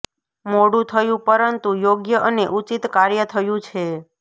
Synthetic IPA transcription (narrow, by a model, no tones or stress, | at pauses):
moɽũt̪ʰəjũpəɾənt̪ujoɡjəʔəneʔut͡ʃit̪kaɾjət̪ʰəjũt͡ʃʰe